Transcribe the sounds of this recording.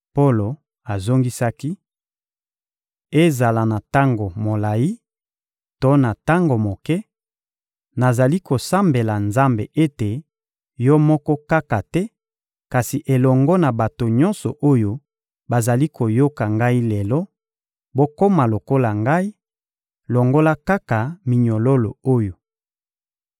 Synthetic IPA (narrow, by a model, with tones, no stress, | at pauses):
po˦lo˨ | a˨zo˦ŋɡi˦sa˦ki˦ | e˦za˨la˨na˨ta˦ŋɡo˨mo˨la˨ji˦ | to˦na˨ta˦ŋɡo˨mo˨kɛ˦ | na˨za˨li˦ko˨sa˦mbe˨la˨nza˦mbe˨ʔe˦te˨ | jɔ˦mɔ˦kɔ˦ka˦ka˨tɛ˦ | ka˨si˨ʔe˨lɔ˨ŋɡɔ˦na˨ba˨to˨ɲɔ̃˦nsɔ˨ʔo˦jo˦ | ba˨za˨li˦kʰo˨jo˦ka˨ŋɡa˦i˦lɛ˨lɔ˦ | bo˦ko˦ma˨lo˨ko˦la˨ŋɡa˦i˦ | lɔ˨ŋɡo˦la˦ka˦ka˨mi˨ɲɔ˨lo˦lo̰˨o˦jo˨